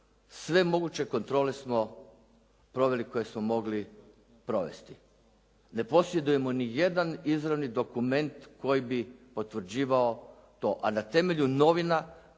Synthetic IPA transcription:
sʋe̞mo̞ɡut͡ɕe̞ko̞nt̪ɾo̞ːle̞smo̞ | pɾo̞ʋe̞liko̞je̞smomo̞ɡli | pɾo̞ʋe̞̰st̪i | ne̞po̞sjed̪uje̞monije̞d̪anizɾaʋnid̪o̞kume̞nt̪ko̞jibipo̞t̪ʋɾ̩d͡ʑiːʋao | t̪o̞ːʔanat̪e̞me̞ʎuno̞ʋina

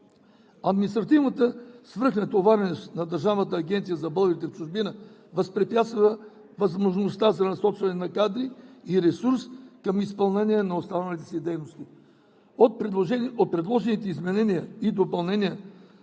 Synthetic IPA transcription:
ɐd̪minist̪ɾɐt̪ivnət̪əsvəɾxnət̪ovaɾɛnɛsnɐd̪əɾʒavnət̪̬əːɡʲɛnt̪sijəzɐbɤlˠɡɾit̪ɛft͡ʃʊʒbinəvɐspɾɛpjat̪svə | vɐzmoʒnost̪azɐnɐsɔt͡ʃvɐnɛnɐkad̪ɾiiɾɛsuɾskɐmispɐlˠnɛnʲiɛnɐost̪anəlʲit̪ɛ̥sɛd̪ɛjnost̪i | ot̪̚pɾɛɛnot̪̚pɾɛd̪lˠɔʒɛnit̪ɛizmɛnɛnijəid̪opɐlˠnɛnijə

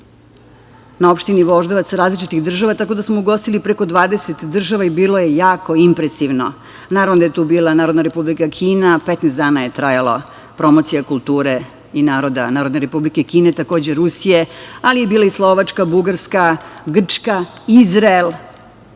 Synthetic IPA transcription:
nao̞pʃt̪iniʋo̞ʒd̪oʋat̪sɾaːzlit͡ʃit̪iɣd̪r̩ʒaʋat̪ako̞d̪asmouɡo̞st̪ilipɾeko̞d̪ʋaːd̪eset̪d̪r̩ʒaʋaibiːlo̞je̞jaːko̞impɾesiʋno̞̰ | naːɾavʋnod̪ajet̪uːbiːlˠanaːɾo̞d̪naɾepublikakʰiːnapet̪nɛsd̪aːnaje̞t̪ɾajala̰ | pɾo̞mot̪sijakulˠt̪uːɾe | inaːɾo̞d̪a̰naːɾod̪neɾe̞publike̞kiːnet̪ako̞ːd͡ʑeɾusije̞alije̞biːlˠaislˠo̞ʋat͡ʂkabuɡaɾskaɡr̩t͡ʂkaizɾaelˠ

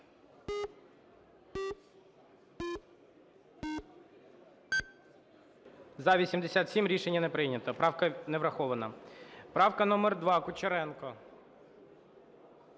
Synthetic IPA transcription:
zɐʋʲisʲimd̪esʲat̪sʲimɾʲiʃenʲːɐnɛpɾɪjnʲɐt̪ɔpɾɑwkɐneʋɾɐxɔʋɐnɐpɾɑwkɐnɔmɛrd̪ʋɑkʊt͡ʃeɾɛnkɔ

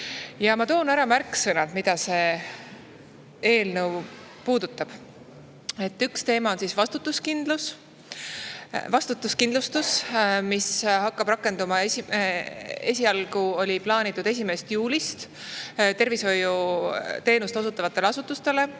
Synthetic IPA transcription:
jɑmɑt̪o̞ːnæɾɑmærkːsɤnɑt̪mid̪̥ɑse̞ | e̞ːlnəw | puːd̪̥ut̪ːˑɑb̥ | e̞t̪ːˑykst̪e̞ːmɑo̞nsisvɑst̪ut̪ːˑuskind̪lus | vɑst̪ut̪ːˑuskind̪lust̪usmishɑkːɑb̥rɑkːˑe̞nd̪umɑesiee̞sʲiɑlɡuo̞lʲiplɑːnit̪ːˑud̪e̞s̬ʲime̞st̪juːlʲist̪ | t̪e̞rviso̞jut̪e̞ːnust̪o̞sut̪ːˑɑvɑt̪ːˑe̞leɑsut̪ːˑust̪e̞le̞

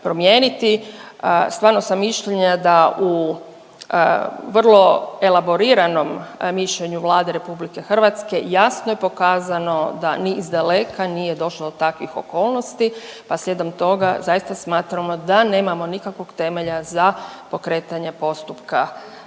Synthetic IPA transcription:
pɾo̞mjeːnit̪i | st̪ʋaːɾno̞samːiʃʎeɲad̪aʔu | ʋrlˠo̞e̞labo̞ɾiɾano̞mmiʃʎe̞ɲuʋlˠaːd̪eɾe̞publike̞xr̩ʋat̪ske̞jasnoje̞po̞kaːzano̞d̪a̰nizd̪ale̞kʰanije̞d̪o̞ʃlod̪ot̪akʋixo̰koːlˠno̞st̪ipaslʎed̪omt̪o̞ɡa̰zajist̪asmaːt̪ɾamo̞d̪ane̞ːmamo̞nikakʋo̞ɡt̪e̞me̞ʎazapo̞kɾe̞ːt̪aɲe̞po̞st̪upka

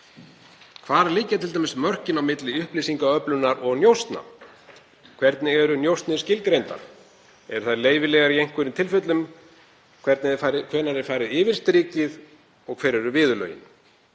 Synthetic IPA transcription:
kʰvaːɾaliːcat̪ʰɪlajmɪsmœr̥cɪnawmɪt̪lɪʏhplisiŋkaœplʏnaɾɔɣnjowst̪na̰ | kʰvɛɾt̪nɪɛɾʏnjowst̪nɪscɪlkɾejnt̪a̰ɾ̥ | ɛɾʏ̥θaðjɾleːjvɪlɛːɣaɾjejŋ̥kʏɾɪnt̪ʰɪlfʏt̪lʏm | kʰvɛɾt̪nɪfaɾɪkʰvœːnaɾɛɾ̥faːjɾɪðɪːvɪɾ̥st̪ɾiːcɪð | ɔɣkʰvɛːɾɛɾʏvɪːðʏlœ̰ːjɪ̰n

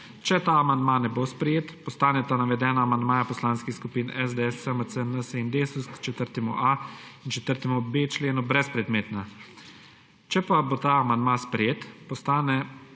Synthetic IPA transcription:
t͡ʃɛt̪aamand̪maːnɛbospɾɛjeːt̪pɔst̪aːnɛt̪anaʋɛd̪ɛːnaːmand̪maːjapɔslaːnskixskupiːnɛzd̪eɛsɛməsənəsəind̪eːsuskt͡ʃɛt̪əɾt̪ɛmuʔaint͡ʃɛt̪əɾt̪ɛmubeːt͡ʃleːnubɾɛspɾɛd̪meːt̪na | t͡ʃɛpabot̪aamand̪maspɾɛjeːt̪pɔst̪aːnɛ

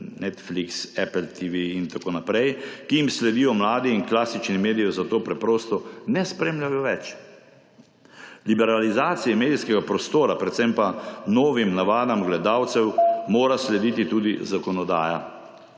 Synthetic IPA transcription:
nɛt̪fliksɛpɛlt̪ʰiʋiint̪akoːnapɾɛjkijimslɛd̪iːjɔmlaːd̪iːnklaːsit͡ʃnimeːd̪ijɔzat̪oːpɾɛpɾoːst̪ɔnɛspɾeːmljʲajɔʋɛt͡ʃ | libɛɾalizaːt̪sijɛmeːd̪ijskɛɡapɾɔst̪oːɾapɾɛt̪sɛmpanoːʋimnaʋaːd̪amɡlɛd̪awt̪sɛwmoːɾaslɛd̪iːt̪it̪uːd̪izakɔnɔd̪a̰ːja̰

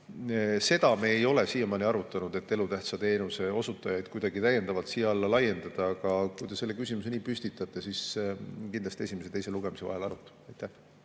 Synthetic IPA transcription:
se̞d̪̥ɑmeːjo̞le̞siːemɑːniɑɾut̪ːˑɑnud̪̥e̞t̪ːe̞lut̪æht̪sɑt̪e̞ːnuseo̞sut̪ːˑɑjɑjd̪̥̚kujd̪̥ɑɡ̥it̪æjːend̪̥ɑvɑlt̪sijɑɑlːɑlɑjːe̞nd̪ɑd̪̥ɑɑɡ̥ɑkujd̪̥e̞se̞lːe̞kysʲimus̬e̞niːpysʲt̪it̪ːˑɑt̪ˑːe̞siskind̪lɑst̪ie̞sʲimeset̪ejse̞luɡe̞mise̞vɑ̰ɦe̞lɑɾut̪ːɑ̥ɑjt̪ːˑæh

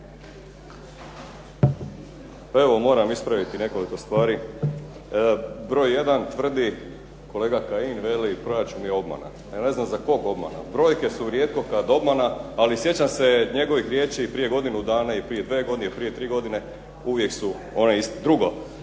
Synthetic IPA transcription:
pae̞ʋo̞mo̞ːɾamispɾaʋit̪ine̞ko̞liko̞st̪ʋaːɾi | bɾo̞ːjje̞d̪ant̪ʋr̩d̪i | ko̞leːɡakainʋelipɾo̞ɾat͡ʃunjeo̞bma̰na̰ | jane̞znamzako̞ɡo̞bma̰na̰bɾo̞ːjke̞suʋɾjeːt̪̚ko̞kad̪o̞bmanaːlisje̞t͡ɕamse̞ɲe̞ɡo̞ʋixɾjeːt͡ɕeipɾije̞ɡo̞d̪inud̪aːnaipɾije̞d̪ʋe̞ːɡod̪inepɾijet̪ɾiːɡo̞d̪ine̞ | uʋjeksu | o̞neist̪ed̪ɾuɡo̞

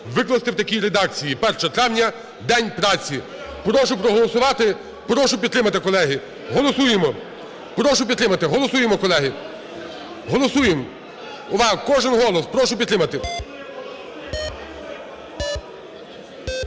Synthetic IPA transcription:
ʋɪklˠɐst̪ɪwt̪ɐkʲijɾed̪ɑk̚t͡sʲijipɛrʃɐt̪ɾaʋnʲɐ | d̪ɛnʲpɾɑt͡sʲi | pɾɔʃʊpɾɔɦɔlˠɔsʊʋɑt̪ɪ | pɾɔʃʊpʲd̪t̪ɾɪmɐt̪ɪkɔlˠɛɦɪ | ɦɔlˠɔsujemɔ | pɾɔʃʊp̬ʲid̪t̪ɾɪmɐt̪ɪɦɔlˠɔsujemɔkɔlˠɛɦɪ | ɦɔlˠɔsujem | ʊʋɑɦkɔʒɪnɦɔlˠɔspɾɔʃʊpʲid̪t̪ɾɪmɐt̪ɪ

